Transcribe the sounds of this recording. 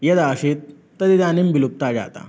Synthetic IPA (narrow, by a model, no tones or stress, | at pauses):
jed̪aɕit̪ː | əd̪id̪animbilup̚t̪ad͡ʑa̰t̪a̰